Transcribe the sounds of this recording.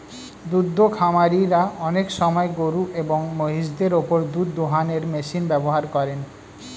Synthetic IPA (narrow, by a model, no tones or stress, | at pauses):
d̪ud̪ʱːokʰamaɾiɾaɔnekʃɔmɔeɡoɾuʔeboŋmoɦiʃd̪eɾopoɾd̪ud̪ːoɦaneɾmeʃinbɛboɦaɾkɔɾen